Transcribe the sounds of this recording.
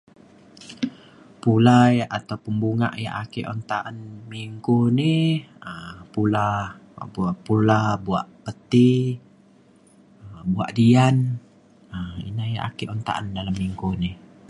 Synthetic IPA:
pulajaʔat̪awpəmbuŋa̰ʔja̰ʔakeʔɔ̰nt̪aʔanmiŋkoniəpula̰ | ʔpulabuaʔpət̪i | əbua̰ʔdian | əḭnaja̰ʔa̰keʔɔnt̪a̰ʔandalamːiŋkoni

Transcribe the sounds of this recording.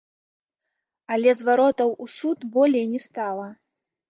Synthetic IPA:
alʲɛzvaɾɔt̪ɐwusut̪bɔlʲɛjnʲɛst̪alˠɐ

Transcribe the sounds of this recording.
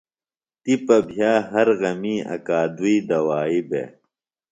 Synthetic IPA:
t̪ipɐbʱjaːɦɐɾɣɐmiːɐ̰kaːd̪uiːd̪ɐwaːibḛ

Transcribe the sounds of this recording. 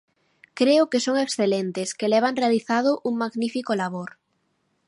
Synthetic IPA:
kɾeʊkesoŋeksθelent̪eskelɛβ̞aŋrealiθað̞ʊʔuŋmaɣnifikolaβoɾ

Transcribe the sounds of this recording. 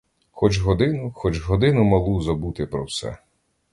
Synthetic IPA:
xɔt͡ʃɦɔd̪ɪnʊxɔt͡ʃɦɔd̪ɪnʊmɐlˠuzɐbut̪ɪpɾɔwsɛ̰

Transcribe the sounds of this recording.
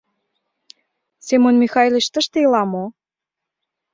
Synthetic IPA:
semonmixɑjlʲet͡ɕt̪ə̆ʃt̪eilɑmo

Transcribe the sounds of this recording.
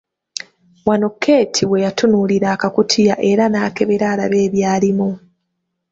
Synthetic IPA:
wanokʰːe̞ːtʰiwe̞jatunuliɾaːkakutʰijaʔe̞ɾanaːke̞βe̞ɾaːlaβe̞ːβjaːlimu

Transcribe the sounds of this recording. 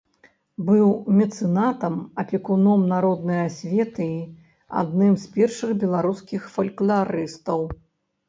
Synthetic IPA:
bɨwmʲɛt̪sɨnat̪ɐmɐpʲɛkunɔmnaɾɔd̪nɨjasʲvʲɛt̪ɨi | a̰d̪nɨmspʲɛrʂɨxbʲɛlˠaɾuskʲixfɐlʲklʲˠaɾɨst̪ɐw

